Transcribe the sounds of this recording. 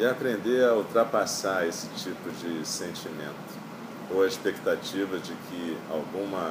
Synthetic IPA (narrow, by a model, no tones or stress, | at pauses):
ɪapɾẽnd̪eɐuwt̪ɾapasaesɪ̥t͡ʃipʊd͡ʒɪsẽnt͡ʃimẽnt̪ʊ̥ | oɐiʃpekt̪at͡ʃivɐd͡ʒɪkʰɪa̰wɡũmɐ